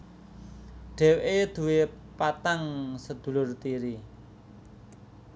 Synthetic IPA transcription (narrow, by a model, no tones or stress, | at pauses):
ɖ̥ɛ̤wʔed̪̥ṳwepat̪aŋsəd̪̥ṳlʊrt̪iɾi